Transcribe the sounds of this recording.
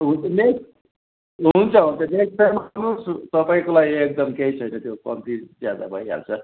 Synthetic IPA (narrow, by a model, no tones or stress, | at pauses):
ɦunt͡sʰʌnek | ɦunt͡sʰʌɦunt͡sʰʌneksʈemanust̪ʌpaĩkolaiek̚d̪ʌmkeɦit͡sʰʌjnʌt̪jokʌ̰nt̪id͡zjad̪a̰bʱʌ̰ja̰lt͡sʰʌ